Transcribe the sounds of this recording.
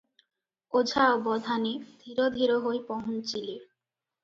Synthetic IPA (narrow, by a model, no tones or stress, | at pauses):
od͡ʑʱaobɔd̪ʱaned̪̥ʱiɾod̪ʱiɾoɦoepɔɦont͡ɕile